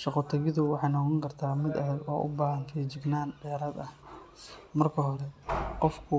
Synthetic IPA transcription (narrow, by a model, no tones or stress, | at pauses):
ʃɑqɔt̪ʰɐɣɪðʊwɑħɑjnɔqɔŋkʰɐrt̪ʰaːmɪd̪ɐðɐɡɔ̰ːʔʊ̰baːhɐnt̪ʰɛjt͡ʃɪɡnaːnɖɛːɾaːd̪ɐh | mɐrkʰɐɦɔɾɛqɔfkʰʊ